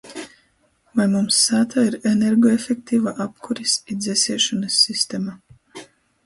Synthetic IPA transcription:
vajmumsːaːt̪ʰaiɾeneɾɡɔefʲek̚t̪ʰiːvaʔapkʰuɾisid̪zʲɛsʲiɛʃɔnɐsːist̪ema

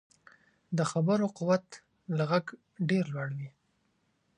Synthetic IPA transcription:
d̪əxabəɾoqʊwat̪ | laɣaɡ | ɖeɾlwaɽwi

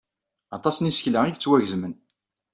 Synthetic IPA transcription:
ɑt̪ˤɑsnisə̥çlæiðət͡sːwæʝzmən

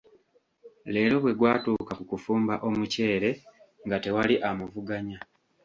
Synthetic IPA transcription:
le̞ːɾo̞βwe̞ɡwaːtuːkakukufuːmbaʔo̞muce̞ːɾe̞ | ŋɡate̞waliʔamuvuɡaɲa

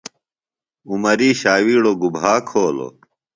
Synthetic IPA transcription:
umɐɾiːɕaːwiːɽoɡubʱaːkʰoːlo̰

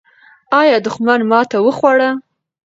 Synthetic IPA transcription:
ɑjɑd̪ʊxmanmɑt̪awəxwaɽa

